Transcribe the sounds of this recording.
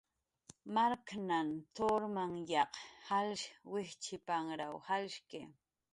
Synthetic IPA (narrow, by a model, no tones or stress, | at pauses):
maɾknant̪oɾmaŋjɑqhalʃwɪht͡ʃɪpaŋɾawhalʃkɪ